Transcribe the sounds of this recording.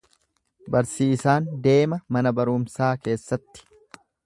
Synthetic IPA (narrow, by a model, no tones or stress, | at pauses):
bɐɾsiːsaːnd̪e̞ːmɐmɐnɐbɐɾʊmsaːke̞ːsːɐt̪ːɪ̥